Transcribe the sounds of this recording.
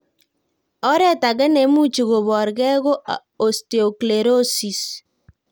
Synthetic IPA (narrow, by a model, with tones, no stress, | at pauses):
ɔ˦ɾɛ˦ta˨ɣɛ˦ne˨mu˦t͡ʃi˨ɣo˨βɔ˨ɾɣɛ˦ɣo˦ʔ | o˨ste˨o˨kle˨ɾo˦si˨s